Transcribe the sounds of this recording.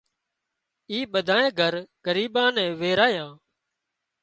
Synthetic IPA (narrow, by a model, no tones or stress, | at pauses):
iːɓəd̪ʱaːẽːɡʱəɾɡ̥əɾiːɓãːnɛ̃ːʋeːɾaːjãː